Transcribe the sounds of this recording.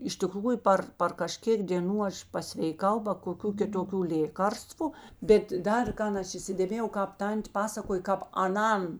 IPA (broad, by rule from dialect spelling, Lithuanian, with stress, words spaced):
ɪʃ tʲɪˈkruːjʊ ˈpɐr pɐr kɐˈʃʲkʲeːk dʲeːˈnuː ˈɐʃ pɐsʲʋʲɛɪˈkɐʊ bɐ koːˈkʲuː kʲɪtoːˈkʲuː ˈlʲeːkɐrstʋʊ ˈbʲɛt ˈdɐr ˈkɐn ˈɐʃ iːsʲɪdʲeːˈmʲeːjɛʊ ˈkɑːp ˈtɐnʲtʲ ˈpɑːsɐkoːj kɑːp ɐˈnɐn